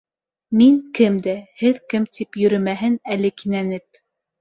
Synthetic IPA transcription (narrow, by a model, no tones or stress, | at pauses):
miŋkɘmd̪æhɘðkɘmt̪ipjɵ̆ɾɵmæɦɘnælɘkinænɘp̚